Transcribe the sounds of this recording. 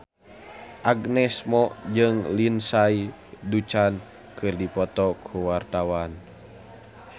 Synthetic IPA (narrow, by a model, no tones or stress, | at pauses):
ʔaɡnɛsmɔd͡ʒɨŋlinsai | dut͡ʃan | kʰɨrdipɔt̪ɔkʰuwart̪awan